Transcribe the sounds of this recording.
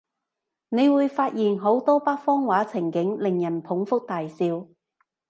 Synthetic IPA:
ne˨˧jwuː˨˧jfaː˧t̚jiː˨˩nɦo˨˥wt̪ɔː˥paː˥k̚fɔː˥ŋwaː˨˥t͡sʰɪ˨˩ŋkɪ˨˥ŋlɪ˨˩ŋjɐ˨˩npʰʊ˨˥ŋfʊ˥k̚t̪aː˨jsiː˧w

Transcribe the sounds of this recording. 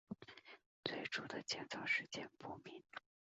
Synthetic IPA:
t͡swe˥˩ɪʈ͡ʂu˥˩d̪ə˨t͡ɕjɛ˥nt͡sɑ˥˩ʊʂɻ̩˥˧t͡ɕjɛ˥˩npu˥˩mi˧˥n

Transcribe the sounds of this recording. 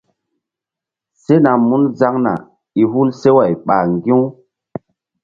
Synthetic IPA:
se˦na˨mu˦nza˦ŋna̰˨ | i˨ɦu˦lse˦wa˨jɓa˨ŋɡĩ˦w

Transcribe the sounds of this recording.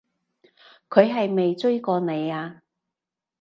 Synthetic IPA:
kʰɵ˨˧ɥɦɐ˨jme˨jt͡ʃɵ˥ɥkɔː˧ne˨˧jaː˧

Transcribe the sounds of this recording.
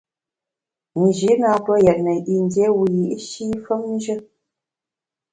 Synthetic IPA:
n̩˨ʒi˨˦na˨pə˦jɛ˨t̚nə˨ʔi˨n˦dje˦wu˨ji˨ʔi˦ʃi˦fə˦mn̩˦ʒə˦

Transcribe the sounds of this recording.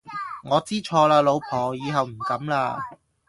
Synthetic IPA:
ŋɔː˨˧t͡siː˥t͡ʃʰɔː˧laː˧lo˨˧wpʰɔː˨˩jiː˨˧ɦɐ˨wm̩˨˩kɐ˨˥mlaː˧

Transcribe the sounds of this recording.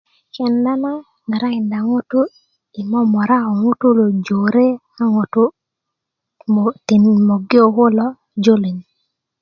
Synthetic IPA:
kɛ˨nda˦na˦ | ni˨ɾa˦ɪ˨nda˨ŋʊ˦tʊ˦ | i˨mɔ˦mɔ˨ɾa˦ɔ˨ŋʊ˦tu˦lo˨d͡ʒo˨ɾe˦ | a˦ŋʊ˨tu˦˨ | ti˨nmo˨ɡi˦o˨kʊ˦lɔ˦ | d͡ʒo˦li˨ɲ˨

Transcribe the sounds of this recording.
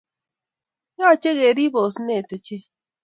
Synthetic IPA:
ɲɔ˦˨t͡ʃe˦ɣe˨ɾi˦bo˨sne˨to˨t͡ʃe˦

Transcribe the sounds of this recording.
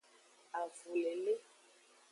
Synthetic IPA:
a˨vu˨lɛ˨le˦

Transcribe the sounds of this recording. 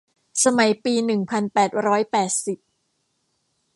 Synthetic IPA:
sa˧ma˨˩˦jpiː˧nɯ˨˩ŋpʰa˧npɛː˨˩t̪̚ɾɔː˦˥jpɛː˨˩t̪̚si˨˩p̚

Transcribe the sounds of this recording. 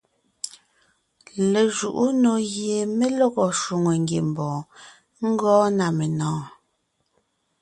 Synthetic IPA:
le˨ʒu˨ʔu˦no˨ɣje˨me˦lɔ˦ɣɔ˨ʃu˨ŋo˨ŋ̩ɡje˨m̩˨bɔ̃ː˨ | ŋ̩˦ɡɔː˦na˨me˨nɔ̃ː˨˦

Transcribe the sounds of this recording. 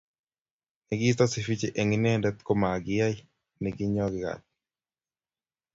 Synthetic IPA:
nɛɡɪ˦t̪ɔ˦sɪ˨fi˦t͡ʃe˨ʔe˨ŋɪ˦nɛ˦˨ndɛ˦t̪ko˦ma˨ɡɪ˦ja˦ɪ˦ | nɛ˨ɡɪ˦ɲɔ˦ɡɪka̰˨t̚

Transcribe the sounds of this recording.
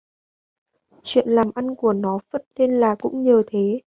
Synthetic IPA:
t͡ɕwḭ˧˨ənlaː˨˩mʔa˧nku˧˩ənɔ˨˦fə˦˥t̚le˧nlaː˨˩kʊ̰˧˥ŋ͡mɲəː˨˩t̪ʰe˨˦

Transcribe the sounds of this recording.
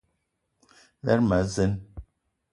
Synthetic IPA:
lɛ˦ɾma˨˦ze˦n

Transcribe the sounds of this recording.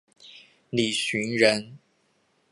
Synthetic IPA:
li˨˩ɕy˧˥nɻə˧˦n

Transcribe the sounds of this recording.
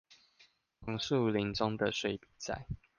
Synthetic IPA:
fɑ˧˥ŋsu˥˨li˧˥ŋt͡sɔ˦ŋd̪ə˨ʂwe˥˩ɪpi̥˨˩t͡sa̰˥˩ɪ

